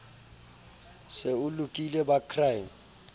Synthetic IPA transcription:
sɪʊlʊkʼilɛbakʰrajm̩

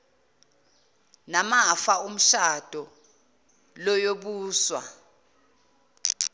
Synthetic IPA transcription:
namafaum̩ʃad̥ʱɔ | lɔjoɓuːswa̰

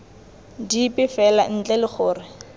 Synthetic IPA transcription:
dipʼɪfɛlan̩t͡ɬʼɛlɪk͡xʰʊːrɪ

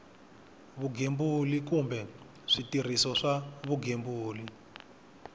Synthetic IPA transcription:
βuɡʱembulikumbɛ | ʂitir̤isɔʂaβuɡʱembuːli

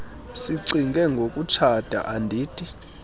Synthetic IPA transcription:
siǀiŋɡʱɛŋɡʱokʼut͡ʃʰad̥ʱa̰ʔandʱiːtʼi

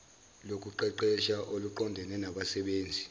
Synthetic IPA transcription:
lok̬ʼuǃɛǃɛʃaʔoluǃɔndʱɛnɛnaɓasɛɓeːnd͡zʱi

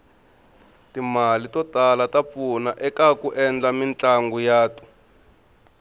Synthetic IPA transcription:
timalitɔtalatap̪funaʔɛkakuʔɛnd͡ɮamint͡ɬʼaŋɡujaːtu̥

